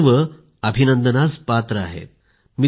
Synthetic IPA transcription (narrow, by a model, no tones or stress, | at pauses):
ʋə | əbʱinənd̪ənat͡spat̪ɾəa̰ɦḛt̪̚ | mi